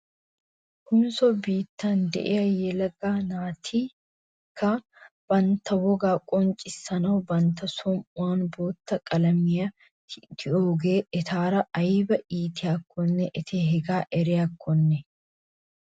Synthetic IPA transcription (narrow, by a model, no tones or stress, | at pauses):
hʊmsɔbiːt̪ːaːnd̪ɛ̰ʔeɐjɛlɐɡaːnaːt̪ʰiː | kːɐ | b̥ɐnt̪ɐwɔɡaːkʼɔnt͡ʃʼɪsɐnoːbɐnt̪ɐsɔmʊaːnboːt̪ːɐkʼɐlɐmɪjɐ | t̪ɪoːɡeːɛt̪ʰaːɾɐʔɐjɪbɐʔiːt̪ɪɐkːɔnːɛʔɛt̪ʰeːɦɛɡaːʔɛɾɪɐkːɔnːɛ